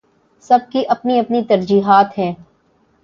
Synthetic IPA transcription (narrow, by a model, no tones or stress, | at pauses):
sɐb̚kiʔɐpniɐpnit̪ɐɾd͡ʒiːɦaːt̪ɦɛ̃ː